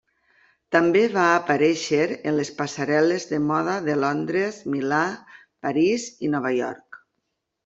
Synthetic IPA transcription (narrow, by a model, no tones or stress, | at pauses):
t̪ambeβaːpaɾɛʃeɾənlespasaɾɛlezðəmɔðaðelɔnd̪ɾezmila | paɾizinɔβ̞ajɔ̰ɾk